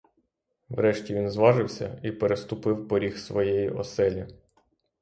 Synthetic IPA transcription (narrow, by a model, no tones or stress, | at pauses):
ʋɾɛʃtʲiʋʲinzʋɑʒɪwsʲɐ̰ipeɾest̪ʊpɪwpɔɾʲixsʋɔjɛjiʔɔ̰sɛlʲi